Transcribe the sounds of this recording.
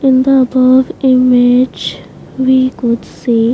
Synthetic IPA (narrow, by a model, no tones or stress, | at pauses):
ɪ̃nd̪əːbʌʋɪmed͡ʒ | ʋikʊɖsiː